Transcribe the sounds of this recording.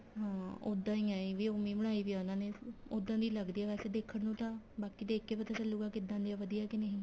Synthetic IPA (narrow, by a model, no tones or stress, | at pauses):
ɦãːo̰ːd̪ãːĩːãːiʋiːʊmiːməɽ̃aːiːʋiːaːʊnãːneːod̪ãːd̪iːləɡd̪iːɛːbɛːseːd̪eːkʰəɽnũːt̪ãːbaːkiːd̪eːkʰːeːpət̪ɛsəlːuɡaːkɪd̪ãːnd̪iːaːʋəd̪ijaːkɪneɦĩː